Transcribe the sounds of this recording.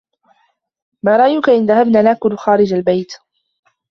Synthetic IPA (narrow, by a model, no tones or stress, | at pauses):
maːɾˤɑʔajʊkaʔɪnðahabnaːlaːkʊlxaːɾɪd͡ʒalbajt̪